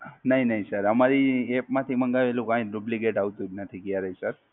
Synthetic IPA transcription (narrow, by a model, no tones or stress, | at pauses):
nəɦĩnəɦĩsəɾəmaɾiepmãt̪ʰiməŋɡaʋelũkãĩɖubliɡeʈaʋt̪ũd͡ʒnət̪ʰikjaɾəɦisəɾ